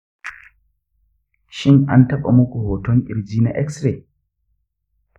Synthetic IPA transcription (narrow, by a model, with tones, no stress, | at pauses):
ʃi˦nʔa̰˦nta˦ɓa̰˨mu˦ku˨hɔː˨tɔ˦nʔi˨ɾd͡ʒiː˦na˨ʔɛ˦ksɾɛ˨